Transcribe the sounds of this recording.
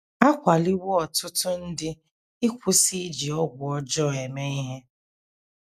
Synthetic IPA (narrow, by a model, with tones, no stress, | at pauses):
a˦kʷa˨li˦wʊ˦ɔ˨tʊ˦tʊ˦n̩˦dɪ˦ | ɪ˦kʷʊ˦si˦d͡ʒi˨ɔ˦ɡʷʊ˨ɔ˦d͡ʒɔ˦˨e˨me˦i˦ɦe˦